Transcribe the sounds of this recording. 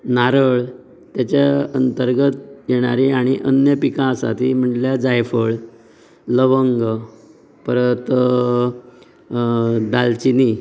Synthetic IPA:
naɾəɭ | t̪jat͡ɕaənt̪əɾɡət̪jeɽ̃aɾiaɽ̃iʔənjəpikãsa̰t̪im̤əɳljad͡zajfəɭ | ləʋəŋɡə | pəɾət̪ | d̪alt͡ɕini

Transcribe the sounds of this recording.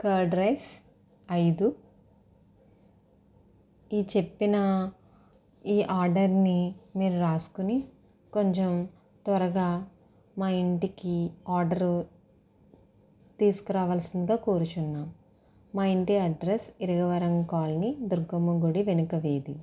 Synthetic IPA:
kɐɖɾes | ɐjd̪u | iːt͡ʃe̞pːinɐ | iːʔaːɾɖɐɾnimiːɾuɾaːsu̥kuni | ko̞ɲt͡ʃem | t̪ʋɐɾɐɡaː | maːiɳʈikiaːɾɖɐɾu | t̪iːskɐɾaːʋaːlsind̪ɐɡaːkoːɾut͡ʃunːaːmː | aːiɳʈiɐɖɾesiɾɐɡɐʋɐɾɐŋkaːlnid̪uɾɡɐmɐɡuɽiʋenukɐʋeːd̪ḭ

